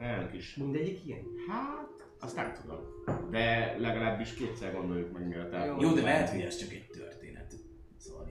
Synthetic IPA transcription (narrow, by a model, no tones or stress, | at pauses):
ɛlnøkiʃmind̪ɛɟikiɡɛnhat̪ | ɒst̪a̰ːt̪od̪ɒ̰ld̪ɛlɛɡɒlaːbːiʃkeːt̪sɛrɡo̞nd̪o̞jukmɛɡɡɛɛt̪aojoːd̪ɛmɛɦɛt̪hoɟɛʃt͡ʃɒkɛɟ̚t̪ørt̪eːnɛ̰t̪ | sovɒ̰l